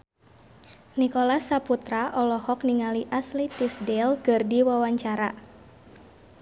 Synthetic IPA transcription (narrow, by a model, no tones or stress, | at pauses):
nikolasaput̪ɾaʔɔlɔhɔkniŋaliʔaslit̪isdɛlkərdiwawaɲt͡ʃaɾa